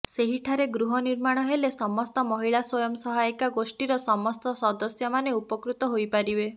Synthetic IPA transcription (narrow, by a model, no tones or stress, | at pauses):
seɦiʈʰaɾeɡɾuɦɔniɾmaɽ̃ɔɦelesɔmɔst̪ɔmɔɦiɭaswɔjɔmɔsɔɦajkaɡosʈiɾɔsɔmɔst̪ɔsɔd̪ɔsjɔmaneupɔkɾut̪ɔɦojpaɾibe